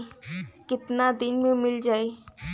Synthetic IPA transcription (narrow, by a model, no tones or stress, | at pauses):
kɪt̪nad̪ɪnmẽmɪld͡ʒaːe